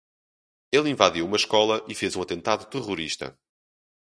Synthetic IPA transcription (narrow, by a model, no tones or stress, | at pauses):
elˠĩvaðiwumɐʃkɔlˠɐʔifezũɐt̪ẽnt̪aðut̪ɨʁuɾiʃt̪ɐ̰